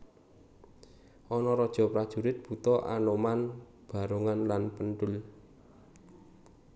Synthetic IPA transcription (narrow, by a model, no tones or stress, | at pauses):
ʔɔnɔɾɔd̥ʒ̥ɔ̤pɾad̥ʒ̥ṳɾɪt̪̚b̥ṳt̪ɔʔa̰noman | b̥a̤ɾoŋanlanpənʈʊl